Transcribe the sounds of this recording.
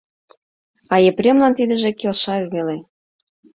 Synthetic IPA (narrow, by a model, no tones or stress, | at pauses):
ɑjeprʲemlɑnt̪id̪ə̆ʒĕkelʃɑyβele